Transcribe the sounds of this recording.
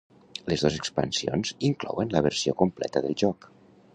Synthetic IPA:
ləzðozəkspə̰nsionziŋklɔ̰wənləβ̞əɾsiokumplɛ̰t̪əðəlˠʒɔk

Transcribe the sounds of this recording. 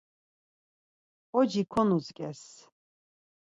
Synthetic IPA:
ɔd͡ʒikʰɔnuzkʼɛs

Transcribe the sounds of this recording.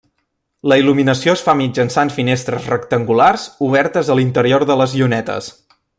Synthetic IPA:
ləiluminəsioəsfamid͡ʒənsanfinest̪ɾəzrəkt̪əŋɡularzuβ̞ɛɾt̪əzəlint̪əɾioɾðələziunɛt̪ə̰s

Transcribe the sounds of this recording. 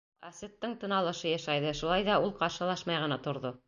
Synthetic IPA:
æsɘ̆t̪ːɤɴt̪ɤ̆nɑlˠɤ̆ʃɤjæʃæjðɤʃulˠɑjðɑulˠqɑɾʃɤ̆lˠɑʃmɑjʁɤ̆nɑt̪ŏɾðo

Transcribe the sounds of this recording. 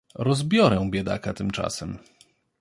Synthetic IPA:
ɾɔzbʲjɔɾɛw̃bʲjɛd̪a̰kat̪ɘmt͡ʂa̰sɛm

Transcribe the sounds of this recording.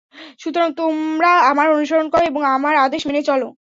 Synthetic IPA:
ʃut̪oɾaŋt̪omɾaamaɾonuʃoɾonkɔɾoeboŋamaɾad̪eʃmenet͡ɕɔlo

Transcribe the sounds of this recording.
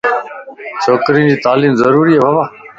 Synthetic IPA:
t͡ʃʰoːkɾĩːd͡ʑiːt̪aːliːmzəɾuːɾiːɦeːbʱaʋaː

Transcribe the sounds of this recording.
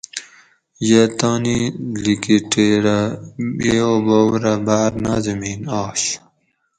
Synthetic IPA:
jet̪aːnilikiʈeːɾaeːoboːwɾɐbaːɾnaːzɐmiːnaːɕ

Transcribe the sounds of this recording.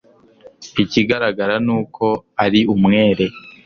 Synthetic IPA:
iciɡaɾaɡaɾanuːkʰo̞aɾiumŋe̞ːɾe̞

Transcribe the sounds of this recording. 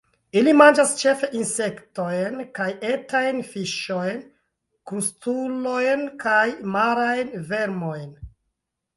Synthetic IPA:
ilimand͡ʒast͡ʃe̞fe̞ʔinse̞kto̞jnkaje̞tajnfiʃo̞jn | kustulo̞jnkajmaɾajnve̞ɾmo̞jn

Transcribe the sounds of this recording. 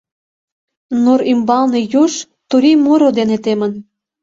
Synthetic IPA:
noɾimbɑlnejuʃ | t̪uɾimoɾod̪enet̪emə̆n

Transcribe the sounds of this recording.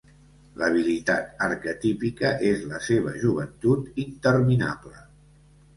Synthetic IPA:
ləβ̞ilit̪a̰t̪əɾkət̪ipikəʔezləseβ̞əʒuβ̞ənt̪ut̪int̪əɾmina̰blə

